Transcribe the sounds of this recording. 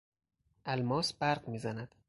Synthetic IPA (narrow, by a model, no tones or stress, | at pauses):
ʔælmɒːsbæɾɢmiːzænæd̪̥